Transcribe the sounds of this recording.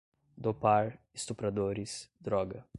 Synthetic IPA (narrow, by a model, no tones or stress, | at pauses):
d̪opaɾɪst̪upɾad̪oɾɪsd̪ɾɔɡɐ